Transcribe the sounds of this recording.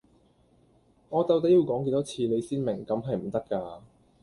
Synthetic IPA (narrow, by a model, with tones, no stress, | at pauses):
ŋɔː˨˧t͡sɐ˧wt̪ɐ˥ji˧wkɔː˨˥ŋke˧jt̪ɔ˥t͡sʰiː˧le˨˧jsiː˥nmɪ˨˩ŋkɐ˨˥mɦɐ˨jm̩˨˩t̪ɐ˥kːaː˧